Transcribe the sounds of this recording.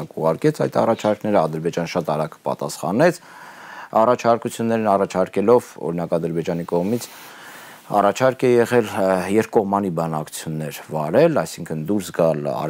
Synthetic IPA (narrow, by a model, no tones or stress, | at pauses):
kuʁɑɾkɛt͡sʰɑjt̪ɑ̰rɑt͡ʃʰɑɾknɛɾəɑd̪əɾbɛd͡ʒɑnəʃɑt̪ɑɾɑkpɑ̰t̪ɑ̰sχɑ̰nɛt͡sʰ | ɑrɑt͡ʃʰɑɾkut͡sʰjunːɛɾinɑrɑt͡ʃʰɑɾkɛlɔvɔ̰ɾinɑkɑd̪əɾbɛd͡ʒɑnikɔʁmit͡sʰ | ɑ̰rɑt͡ʃʰɑɾkɛjɛʁɛljɛɾpkɔʁmɑnibɑnɑkʰu̥t͡sʰjunːɛɾvɑɾɛlɑ̰jsiŋkʰənd̪uɾsɡɑlɑ̰